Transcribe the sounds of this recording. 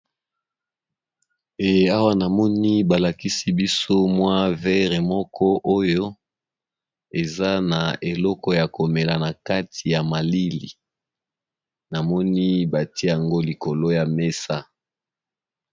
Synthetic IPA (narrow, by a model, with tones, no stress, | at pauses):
e˨a˦wa˦na˨mɔ˦ni˦ba˨la˨ki˦si˦bi˦so˦mwa˦vɛ˦ʁe˨mɔ˦kʰɔ˦ʔo˦jo˦ | e˨za˦na˨e˨lɔ˦kɔ˦ja˨ko˨me˨la˨na˨ka˦ti˨ja˨ma˨li˦li˨ | na˨mɔ˦ni˦ba˨ti˦e˦ja˨ŋɡo˦li˨ko˨lo˦ja˨me˦sa˦